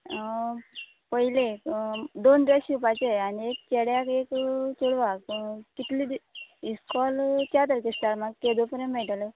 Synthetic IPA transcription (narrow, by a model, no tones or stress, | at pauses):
pəɦile | d̪ond̪eɕipat͡ɕeaniek̚t͡ɕeɽjakekt͡ɕuɽʋakkit̪liiskɔlt͡ɕat̪əɾkesʈ̪aɾmaɡked̪opəɾemeʈlə